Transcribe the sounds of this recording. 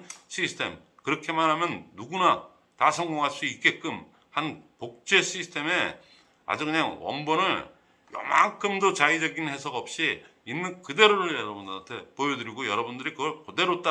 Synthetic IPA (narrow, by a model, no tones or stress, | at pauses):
ɕʰisʰtʰe̞̰m | kɯɾʌkʰemanɦamjʌnːuɡuna | tasʰʌŋɡoŋɦaɭs͈uik͈e̞k͈ɯm | hanpok̚t͡ɕ͈e̞ɕʰisʰtʰe̞me̞ | a̰d͡ʑukɯɲaŋwʌ̰nbʌnɯɭ | jʌ̰ma̰ŋkʰɯmdot͡ɕaid͡ʑʌɡinhe̞sʰʌɡʌp̚ɕ͈i | inːɯnkɯde̞ɾoɾɯʌɾʌbundntʰe̞poedɯɾiɡojʌɾʌbundɯɾikɯɡʌɭkode̞ɾot͈a